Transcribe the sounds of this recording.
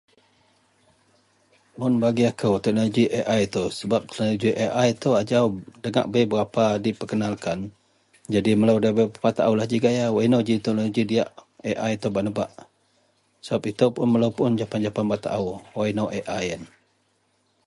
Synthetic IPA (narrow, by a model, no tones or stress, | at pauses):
mʊnbaɡiakʰəwt̪ɛk̚noloɡiʔeʔajt̪əwsəbap̚t̪ə̥knoloɡiʔeʔajt̪əad͡ʒawdəŋa̰ʔbəjbəɾapadipəkənalkan | d͡ʒadimələwdabepat̪aʔuwlahd͡ʒiɡajawainowd͡ʒit̪ɛk̚noloɡidijaʔeʔajt̪əbaʔnəbaʔ | səbapit̪əwpʊnməlowpʊnd͡ʒapand͡ʒapanbaʔt̪a̰ʔawwainowʔeʔajən